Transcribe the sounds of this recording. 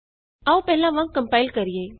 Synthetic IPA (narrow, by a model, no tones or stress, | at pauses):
ɐupɛɦɪlãʋãŋkəmpaːɪlkɐɾijeː